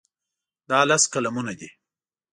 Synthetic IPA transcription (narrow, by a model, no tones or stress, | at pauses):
d̪ɑlaskalamunad̪i